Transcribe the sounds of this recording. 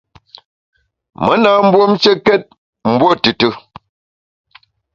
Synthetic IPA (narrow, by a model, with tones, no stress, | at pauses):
mə˦na˦m̩˦bwo˦mt͡ʃə˦kɛ˦t̚ | m̩˦bwo˦tɨ˨tɨ˦